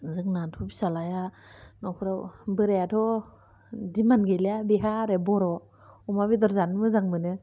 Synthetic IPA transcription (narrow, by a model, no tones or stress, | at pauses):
zɯŋnantʰubi̥salajanɔkʰɾawbɯɾeatʰɔ | dimanɡeliabiɦaɾebɔɾɔ | umabidɔɾzanmɯzaŋmɯnɯ